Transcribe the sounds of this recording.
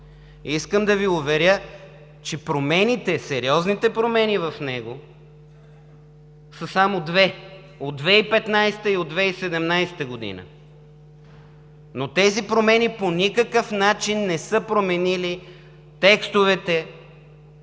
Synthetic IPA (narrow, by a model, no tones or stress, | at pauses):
iskəmd̪ɐviʊvɛɾʲjə | t͡ʃɛpɾomɛnit̪ɛsɛɾiɔznit̪ɛpɾomɛnivɐfnɛɡo | səsamod̪vɛ | od̪ːvɛipɛt̪najsɛ̥t̪əiod̪vɛisɛd̪ɛmnajsɛt̪əɡod̪ḭnə̰ | not̪ɛzipɾomɛniponʲikəkəfnat͡ʃinːɛsɤpɾomɛnili | t̪ɛkst̪ovɛt̪ɛ